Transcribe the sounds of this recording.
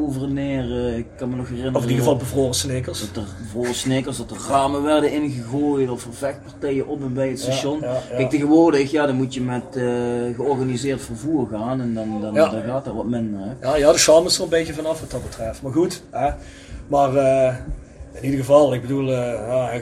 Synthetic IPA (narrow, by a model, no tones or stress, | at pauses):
ovərnɪːrəɪkːɑnmənɔxɦɛrɪnɔfɪniɣəəvɑlˠbəvroːrəsnekəsdɑtərəvroːrəsnekərsdɑtərraːmənʋɛrdəɪnɣəɣoːjtɔfərvɛxt̚pɑrtɛjəʔɔpənbɛjətstaʃɔnkɛjkteɣəʋʊːrdəxjaːdɑnmutjəmɛtːɣəɔrɣanizɪːrtfərvuːrɣaːnɛndndɑndɑnɣaːtdaːʋɑtmɪndərɛjajaːdəsɑməstələnbejəvɑnɑfʋɑtɑt̚bətrɛftmaːrɣutɛ | maːrə | ɪnidəɣəvɑlˠɪɡ̚bədulˠja